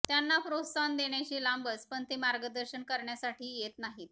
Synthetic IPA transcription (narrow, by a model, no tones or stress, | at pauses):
t̪janːapɾot̪sand̪eɳ̃jat͡ɕiːlambət͡spəɳt̪imaɾɡəd̪əɾɕənkəɾɳjasaʈʰiːjet̪naɦiːt̪